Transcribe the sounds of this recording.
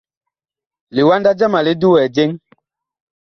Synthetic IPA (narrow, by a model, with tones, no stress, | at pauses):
li˨wa˦nda˦d͡ʒa˦ma˨li˦du˦wɛ˨d͡ʒe˦ŋ